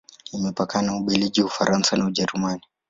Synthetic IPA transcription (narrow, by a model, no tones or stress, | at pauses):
imɛpakanauɓiliʄiwufaɾʔansanauʄɛɾumani